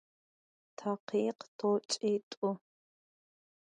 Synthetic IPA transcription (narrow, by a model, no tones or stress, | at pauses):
tʰɐqʰiːqtʰoːt͡ʃʼeːtʼʊ